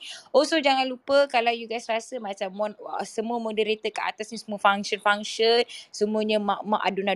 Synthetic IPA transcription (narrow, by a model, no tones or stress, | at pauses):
osod͡ʒaŋãnlupəkalawjuɡajsrasəmãt͡ʃamːɔnəsəmuəmodəɾet̪əkaʔa̰t̪asɲə̃səmuəfaŋʃənfaŋʃənsəmũəɲə̃maʔmãʔa̰duna